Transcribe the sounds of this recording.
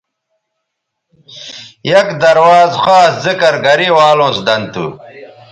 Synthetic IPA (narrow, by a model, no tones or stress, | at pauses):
jɐkd̪ɐɾwaːzxaːszikɐɾɡɐɾiwaːlõːsd̪ɐnt̪ṵ